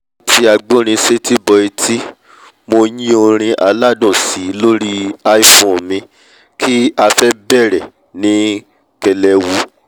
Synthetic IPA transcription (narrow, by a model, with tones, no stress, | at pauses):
tʰi˧a˧ɡ͡bõ˦ɾ̃ĩ˧se˦tʰi˦bɔ˧i˧tʰi˦ | mo˧jĩ˦o˧ɾ̃ĩ˧ʔa˧la˦˨dɔ̃˦˨si˨˦lo˦ɾi˦a˦i˦˨fɔ̃˨mĩ˧ | kʰi˦a˧fɛ˦bɛ˦˨ɾɛ˨ | nĩ˨˦ | kɛ˧lɛ˧wu˧˦